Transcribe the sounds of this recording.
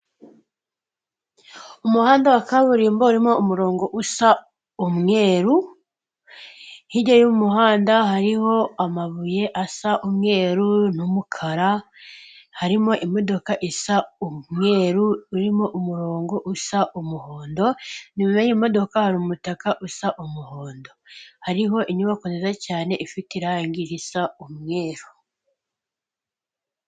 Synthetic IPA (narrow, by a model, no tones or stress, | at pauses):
umuhaːndawakaβuɾiːmbouɾimo̞umuɾo̞ːŋɡo̞ʔusa | umŋe̞ːɾu | hiɟojumuɦaːndaɦaɾiho̞amaβuje̞ʔasaʔumŋe̞ːɾunumukʰaɾa | haɾimo̞ʔimo̞do̞kaʔisaumŋe̞ːɾuːɾimo̞ʔumuɾo̞ːŋɡo̞ʔusaʔumuhoːndo̞nimumeɲimo̞do̞kahaɾumutakaʔusaʔumuhoːndo̞haɾiɦo̞ʔiɲuβakonzezacaːne̞ʔifitiɾaŋɡiɾisaumŋe̞ːɾu